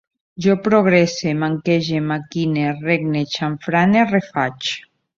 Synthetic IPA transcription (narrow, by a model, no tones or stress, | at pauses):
ʒɔpɾoɣ̞ɾesemaŋkeʒemakinereɣnet͡ʃaɱfɾanerefat͡ʃ